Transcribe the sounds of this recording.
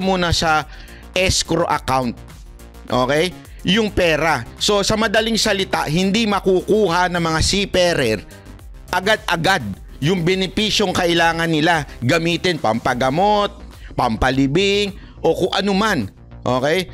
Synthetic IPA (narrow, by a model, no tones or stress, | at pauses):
muːnɐsɐ | ʔɛskɾo̞ʔɐkawnt̪̚ | ʔo̞ːkɛj | jʊŋpɛːɾaso̞sɐmɐd̪ɐliŋsɐlɪt̪a̰ʔɦɪnd̪imɐkukuːhɐnɐŋmɐŋasipɛɾɛɾ | ʔɐɡad̪̚ʔɐɡad̪̚ | jʊŋbɛnɪpiːʃjo̞ŋkɐʔɪlaːŋɐnːɪlaɡɐmiːt̪ɪnpɐmpɐɡɐmo̞t̪̚pɐmpɐlɪbɪŋ | ʔo̞kʊŋʔɐnoman | ʔo̞ːkɛj